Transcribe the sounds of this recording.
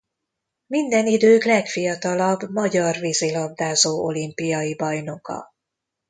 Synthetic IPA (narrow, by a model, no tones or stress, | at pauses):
mind̪ɛnid̪øːklɛkfijɒt̪ɒlɒbmɒɟɒrvizilɒb̚d̪aːzoːʔo̞limpijɒjibɒjno̞kɒ̰